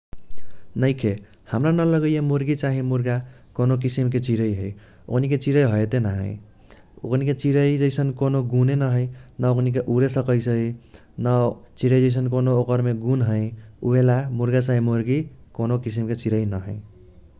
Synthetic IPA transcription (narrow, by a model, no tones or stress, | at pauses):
nʌjkʰe | hamɾanʌlʌɡʌjemoɾɡit͡ʃaɦĩmuɾɡa | konokisimket͡ʃiɾʌjɦʌj | o̰kʰniket͡ʃiɾʌjɦʌjet̪enaɦʌ̰̃j | o̰kʰniket͡ʃiɾʌjd͡ʒʌjsʌnkonoɡunenʌɦʌjnʌoknik̬eʔuɾesʌkʌjsʌɦi | nʌt͡ʃiɾʌjd͡ʒʌjs̬ʌnkonookʌɾmeɡunɦʌj̃uelamuɾɡat͡saɦĩmoɾɡikonokis̬imket͡ʃiɾʌinʌɦʌ̃j